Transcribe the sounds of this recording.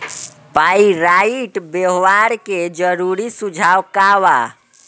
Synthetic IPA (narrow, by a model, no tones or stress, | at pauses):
paiɾaiʈbeɦwaɾked͡ʒəɾuɾisud͡ʒʱawkaʋa